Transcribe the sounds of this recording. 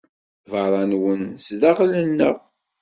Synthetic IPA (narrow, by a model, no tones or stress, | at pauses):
vəɾˤɑnwənsðæʁlənːəʁ